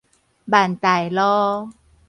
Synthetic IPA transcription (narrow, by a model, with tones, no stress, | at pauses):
baː˨˩nt̪a˨˩jlɔː˧